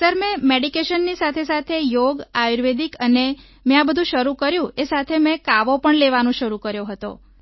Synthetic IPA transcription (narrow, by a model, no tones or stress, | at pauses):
səɾmẽmeɖikeʃənːisat̪ʰesat̪ʰejoɡajuɾʋed̪ikəne | mẽabəd̪ʱũʃəɾukəɾjũesat̪ʰemɛ̃kaʋopəɳleʋanõʃəɾukəɾjoɦət̪o̰